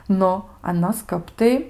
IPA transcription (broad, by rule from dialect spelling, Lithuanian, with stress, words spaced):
ˈnʊ ɐˈnoːs ˈkɐp tɐɪ